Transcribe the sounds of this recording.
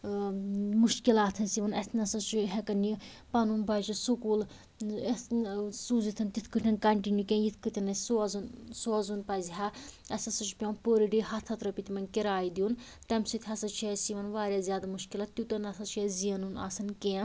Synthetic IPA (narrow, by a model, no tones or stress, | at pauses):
muʃkilaːt̪ʰɐnsiʋɐnɐsnɐsɐt͡ʃʰuɦɛkɐni | pɐnunbɐd͡ʒisukuːl | suzit̪ʰɐnt̪it̪ʰkɨʈʰɐnkɐɳʈinukʲẽːjit̪ʰkɨt̪ʲʰinɐsuzunsoɐzunpɐziɦaːɐsʲɐsɐt͡ʃʰpʲõːnpoːɾiɖiɦɐt̪ʰɐt̪ɾɐpit̪ʲimɐnkiɾaːid̪iun | t̪ɐmsit̪ʲʰɦɐsɐt͡ʃʰiɛsiʋɐnʋaːɾʲjaːzʲjaːd̪amuʃkilaːt̪t̪ːʲut̪ɐnɐsɐt͡ʃʰɛziɐnuna̰sɐnkeː